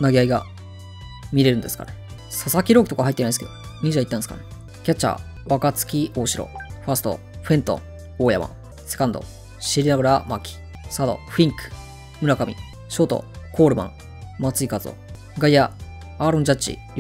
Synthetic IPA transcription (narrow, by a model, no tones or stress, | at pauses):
naɡʲiaiɡa | mʲiɾe̞ɾɯ̟nd̪e̞sɨ̥ka̰ɾe | sosakʲiɾo̞ːki̥tokahait̪ːenãid̪sɨked̪o | mʲiʑait̪ːãneskaɾe | kʲat͡ɕa̰ | βakat͡sɨ̥kʲio̞ːɕiɾo̰ɸasɨ̥t̪o̰ɸẽ̞nt̪õɴ | oːjama̰ | se̞̥kãnd̪o̞̰ | ɕiɾʲinaɡɯ̟ɾamakʲi̥ | sad̪o̞̰ɸĩŋkɯ̥ | mɯ̟ɾakamʲḭ | ɕo̞ːt̪o̞̰kʰo̞ːɾɯ̟mã̰ŋ | mat͡sɨikazo̰ | ɡaiaː | ɾõɲd͡ʑat͡ɕḭ